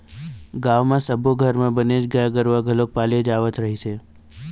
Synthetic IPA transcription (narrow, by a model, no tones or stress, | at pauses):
ɡãʋmãsəbʱoɡʱəɾmãbəned͡ʒɡəjaɡəɾʋaɡʱəlok̚paled͡ʒaʋət̪ɾəɦit͡ʃʰe